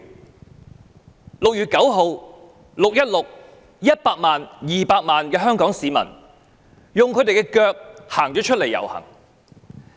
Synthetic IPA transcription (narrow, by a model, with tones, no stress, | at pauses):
lʊ˨k̚jyː˨t̚kɐ˨˥wɦo˨˧w | lʊ˨k̚jɐ˥t̚lʊ˨k̚ | jɐ˥t̚paː˧k̚maː˨njiː˨paː˧k̚maː˨nkɛː˧ɦœː˥ŋkɔː˨˥ŋsiː˨˧mɐ̰˨˩n | jʊ˨ŋkʰɵ˨˧˥t̪e˨jkɛ˧kœː˧k̚haː˨˩ŋt͡ʃɔː˨˥t͡ʃʰɵ˥t̚le˨˩jːɐ̰˨˩whɐ̰˨˩ŋ